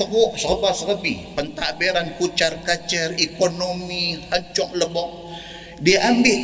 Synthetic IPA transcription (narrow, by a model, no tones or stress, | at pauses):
əɦuʔsəobasəkəbɪpənt̪aʔbɛɾankut͡ʃarkat͡ʃərikonomihaɲt͡ʃɔʔ̚ləbɔʔ̚ | diaʔambɪ